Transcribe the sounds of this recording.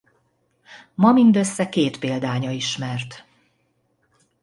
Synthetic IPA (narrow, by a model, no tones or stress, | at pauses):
mɒmind̪ø̞sːɛkeːt̪peːld̪aːɲɒiʃmɛrt̪